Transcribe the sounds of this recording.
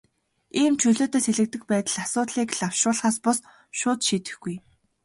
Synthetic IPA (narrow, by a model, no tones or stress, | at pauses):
iːmt͡ɕʰɵɮoːt̪eːseɮɘ̆k̚t̪ɘ̆k̚pæːt̪ə̆ɮasʊːt̪ɮiːkɮaw̥ʃʊːɮχaːspʊs | ʃʊːt̪ʃiːt̪ɘ̆xɡuj